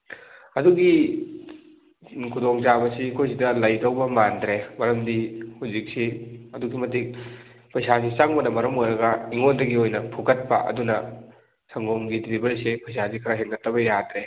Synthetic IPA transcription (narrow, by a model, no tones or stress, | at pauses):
ɐduɡi | kʰudoŋzabɐsikʰojsidɐlɐjdɐwbɐmandɾemɐɾɐmdihuzik̚siɐduɡimɐtik̚ | pɐjsazisaŋbɐnɐmɐɾɐmojɾɐɡɐiŋondɐɡiojnɐpʰukɐt̚pɐ̰ʔɐ̰dunɐ | sʰɐŋɡoŋɡidɾibɐlsepɐjsazikʰɐɾɐɦeŋɡɐtʰːɐbɐjadɾe